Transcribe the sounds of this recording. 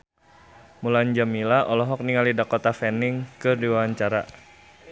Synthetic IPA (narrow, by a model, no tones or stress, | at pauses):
mulaɲd͡ʒamilaʔɔlɔɦɔk̚niŋalidakot̪afɛnɪŋkɨrdiwaaɲt͡ʃaɾa